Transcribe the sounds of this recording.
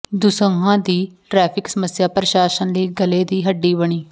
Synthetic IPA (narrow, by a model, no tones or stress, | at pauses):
d̪ʊsəŋɡãːd̪iːʈɾɛːpʰɪksəməsjaːpɾəʃaːʃənləiːɡəleːd̪iːɦəɖːiːbəɳ̃iː